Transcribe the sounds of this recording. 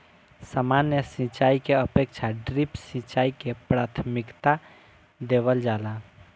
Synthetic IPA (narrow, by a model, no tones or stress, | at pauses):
samanjəsĩt͡ʃaikeəpekt͡ʃʰaɖɾipsĩt͡ʃaikepɾat̪ʰmikt̪a | d̪ebəld͡ʒaːla